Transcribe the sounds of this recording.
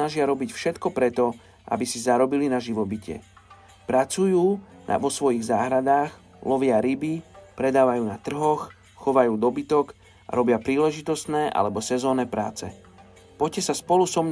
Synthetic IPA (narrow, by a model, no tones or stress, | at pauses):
naʒɪaɾɔbicfʃɛt̪kɔpɾɛt̪ɔ | ʔa̰bisizaɾɔbilinaʒiʋɔbicɛ̰ | pɾat͡sujuːna̰ʋɔsʋɔjiɣzaːɦɾad̪aːx | lɔʋɪaɾibipɾɛd̪aːʋajuːnat̪r̩ɦɔx | xɔʋajuːd̪ɔbit̪ɔk | ʔa̰ɾɔbɪapɾiːlɛʒit̪ɔst̪nɛːʔa̰lɛbɔsɛzɔːnɛːpɾa̰ːt͡sɛ̰ | pɔcɛsaspɔlusɔmɲ